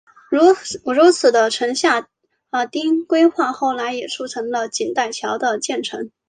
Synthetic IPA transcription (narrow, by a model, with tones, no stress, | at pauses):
ɻu˧˥t͡sʰɹ̩˨˩d̪ə˦ʈ͡ʂʰɤ˧˥ŋɕja˥˩ | ə˧˩t̪i˥ŋkwe˥ɪxwa˥˧xo˥˩ʊla˧˥ɪjɛ˨˩ʈ͡ʂʰu˥˩ʈ͡ʂʰɤ˧˥ŋlə˧t͡ɕi˨˩nt̪a˥˩ɪt͡ɕʰjɑ˧˥ʊd̪ə˧t͡ɕjɛ˥˩nʈ͡ʂʰɤ˧˥ŋ